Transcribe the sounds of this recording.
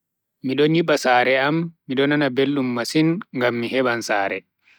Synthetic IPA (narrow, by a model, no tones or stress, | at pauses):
miɗɔniɓasaːɾɛamːiɗɔnanabelːumːasinŋɡamːihɛɓansaːɾɛ̰